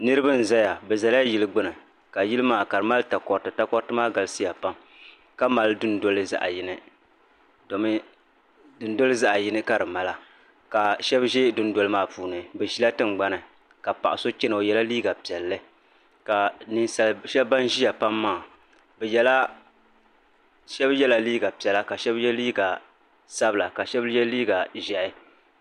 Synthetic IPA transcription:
nɨ˦ɾɨ˦bɨ˦n̩˨za˦ja˨bɛ˨za˨la˦ji˨lɨ˦ɡ͡bɨ˦nɨ˨ | ka˨ji˦lɨ˦maː˦˨ka˨ɾɨ˨ma˦lta˨kɔ˨ɾtɨ˨ta˦kɔ˦ɾtɨ˦maː˦ɡa˨lɨ˦si˦ja˨pa˦m | ka˦ma˨ldɨ˦ndo˦lɨ˦za̰˦ʔa˨ji˨nɨ˨ | do˨mɨ˦ | dɨ˨n˦do˦lɨ˦za˦ʔa˨ji˦nɨ˦ka˦ɾɨ˨ma˨la˦ | ka˨ʃɛ˦bʒe˦dʊ˦n˦do˨lɨ˦maː˦puː˨nɨ˨bɛ˨ʒi˦la˦tɨ˦nɡ͡ba˦nɨ˨ | ka˨pa̰˨ʔʊ˨so˦t͡ʃɪ˦nɨ˨o˨jɛ˨la˦liː˦ɡa˨pi˨ɛ˨lːɨ˦ | ka˨nɨ˦sʃɛ˦lba˦nʒi˦ja˨pa˦mːaː˦˨ | bɛ˨jɛ˨la˦ | ʃɛ˦bjɛ˦la˨liː˦ɡa˨pi˨ɛ˨la˦ka˨ʃɛ˦bjɛ˦liː˦ɡa˨ | sa˦bɨ˨la˨ka˨ʃɛ˦bjɛ˦lliː˦ɡa˨ʒɛ˨ʔɪ˦

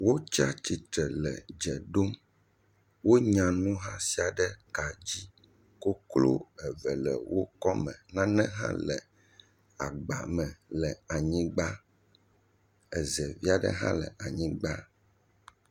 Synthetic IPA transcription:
wo˦t͡ʃa˦t͡ɕi˨t̪ɾɛ˨lɛ˨d͡ʒɛ˨ɖo˦m | wo˦ɲã˨nũ˦ɦã˦si˦a˨ɖɛ˦ka˨d͡ʑi˦ | ko˦klo̰˦ɛ˨vɛ˨lɛ̰˨wo˦kɔ˦mɛ̃˨nã˦nɛ̃˦ɦã̰˦lɛ˨ | a˨ɡ͡ba˨mɛ̃˨lɛ˨a˨ɲĩ˦ɡ͡ba˦ | ɛ˨zɛ˨vi˦a˨ɖə̰˦ɦã̰˦lɛ̰˨a˨ɲĩ˦ɡ͡ba˦

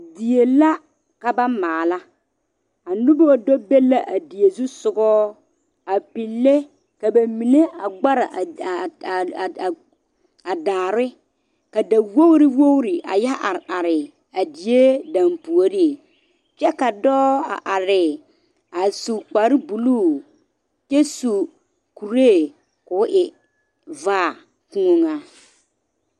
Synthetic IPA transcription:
di˨e˨la˦ | ka˨ba˦maː˨la˦ | a˨nu˦bɔ˦˨dɔ˦be˦la˦ʔa˨di˨e˨zu˦sʊ˨ɡɔː˦ | a˨pi˨lːe˦ | ka˨ba˨mi˨ne˦ʔa˨ɡ͡ba˦ɾa˨ʔ | a˨daː˨ɾɪ˦ | ka˨da˨wo˦ɣɾi˦wo˦ɣɾi˨ʔa̰˨jɛ˦ʔa˨ɾa˨ɾɪ˨ | a˨di˨je˦dã˨mpu˨o˨ɾi˦˨ | t͡ʃɛ˦ka˨dɔː˦a̰˨ʔa˨ɾɪ˨ | a˨su˨k͡pa˨˦ɾɪ˦bu˨luː˦˨ | t͡ʃɛ˦su˨ | ku˨ɾeː˦˨ | kʊ˨˦ʔɪ˨ | vaː˦˨ | ku˦o˦ŋa˦

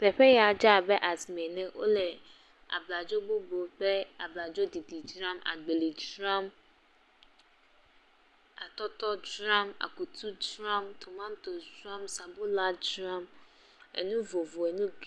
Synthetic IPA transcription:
pɛ˨ɸɛ˦jɛ˨a˨d͡ʒa˦a˨bɛ˦ʔa˨smẽ˨nɪ̃˦ʔo̰˦lɛ˨ | a̰˨bla˨d͡ʒo˦bo˦bo˨k͡pɛ˦a˨bla˨d͡ʒo˦di˨di˨d͡ʒɾã˦ma̰˨ɡ͡be˨li˨d͡ʒɾã˦m | a˨tɔ˦tɔ˦d͡ʒɾã˦ma̰˨ku˨tʰu˦dɾã˦mtʰo˨mã˦n˦to˨d͡ʒɾã˦msa˨bo˦la˦d͡ʒɾã˦m | ɛ̰˨nũ˦vo˨vo˨ɛ˨nũ˦ɡ

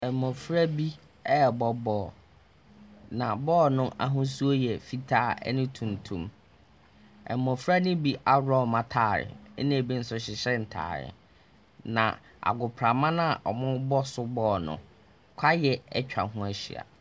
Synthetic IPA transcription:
ɛ˨mɔ̃˨fɾa˦bi˦ | ɛ˦˨bɔ˦bɔː˦˨ | nã˨bɔː˦nʊ̃˦a̰˨˦ɦʊ̃˦s̬u˦o˦jɛ˨fi˦tʰaː˦˨ɛ̰˦nɪ̃˦tʰũ˨n˨tʰũ˦m | ɛ̰˨mːɔ̃˨fɾa˦nɪ̃˦bi˦ʔa˦ɾɔ˦˨mã˨tʰaː˨ɾɪ̰˨ɛ̰˦nɪ̃˦æ˨bi˦n̩˦sʊ˦ɕɪ˨ɕɛ˦n̩˨tʰa̰ː˨ɾɪ̰˨ | nã̰˨ | a̰˨ɡʊ˨pʰɾa˨mã˦nã˦˨ʔɔ˨mʊ̃˦bɔ˦sʊ˦bɔː˦˨nʊ̰̃˨ | kʷʰa˦jɛ˨ɛ˦t͡ɕᶣa̰˨ɦʊ̃˦æ˨ɕḭ˨a̰˨

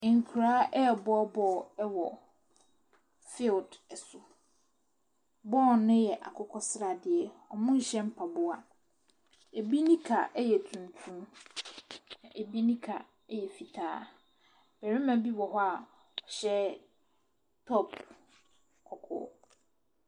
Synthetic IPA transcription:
ŋ̩˨kʰu˨ɾaː˨˦ʔɛ˦˨bɔ˦bɔ˨ɛ˦wɔ˨ | fɪ˦ldɛ˨sʊ˨ | bɔː˦˨nɪ̃˦jɛ˨ʔa̰˨kʰʊ˦kʰɔ˦sɪ˦ɾa˨dɪ˨ɛ˨ɔ˨mʊ̃˦n̩˨ɕɛ̃˦m̩˦pʰa˨bʊ˦a˨ | e˨bi˦nĩ˦kʰa̰˨ʔjɛ˨tʰũ˨n˨tʰũ˦m | nã˨ʔe˨bi˦nĩ˦kʰa̰˨ | ɛ˦jɛ˨fi˨tʰaː˦ | b̥ɛ˨ɾi˦mã˨bi˦wɔ˨ɦɔ˦a˨ | ɔ˨ɕɛ˦ | tʰɔ˦p | kʰɔ˨kʰɔ̰ː˦

